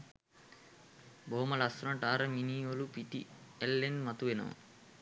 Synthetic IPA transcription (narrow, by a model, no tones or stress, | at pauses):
boɦoməlasunaʈaːɾəminiːʋolupiʈḭelːenmat̪uʋenə̰ʋə̰